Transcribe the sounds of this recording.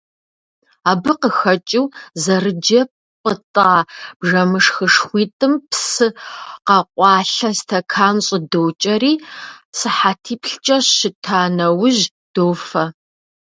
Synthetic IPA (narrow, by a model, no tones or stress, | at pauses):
aːbɨqəxɐt͡ʃʼɪwzɐrɨd͡ʒɐ | qʼətʼaːb̥ʐɐmɨʂxɨʂxʷiːtʼɨmpsɨqɐqʷʼɑːɬɐstʰɐkʰaːnɕʼɪdowt͡ʃʼɐɾiːsɨħatʰiːpʰɬt͡ʃʼɐɕʃɪtʰaːnɐwʊʒ | d̥oːfɐ